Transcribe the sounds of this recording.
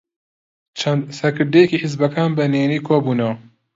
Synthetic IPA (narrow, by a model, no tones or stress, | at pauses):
t͡ʃʰɐnsɐkɨɾd̪ɛjɛkiːħɪzbɐkaːnbɐneːniːkʰoːbuːnɐwɐ